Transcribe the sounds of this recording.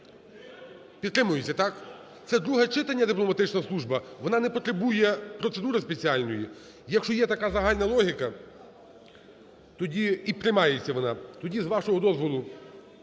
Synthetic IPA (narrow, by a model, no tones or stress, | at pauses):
pʲid̪t̪ɾɪmʊjʊt͡sʲːɐt̪ɑk | t̪sɛd̪ɾuɦɛt͡ʃɪt̪ɐnʲːɐd̪ɪplˠɔmɐt̪ɪt͡ʃnɐslˠuʒbɐʋɔnɑnɛpɔt̪ɾebujɛpɾɔt̪sed̪uɾɪspet͡sʲiɑlʲnɔji | jɐkʃt͡ʃɔjɛt̪ɐkɑzɐɦɑlʲnɐlˠɔɦʲikɐ | t̪ɔdʲiipɾɪmɑjet͡sʲːɐʋɔnɑt̪ɔdʲizʋɑʃɔɦɔd̪ɔzʋɔlˠʊ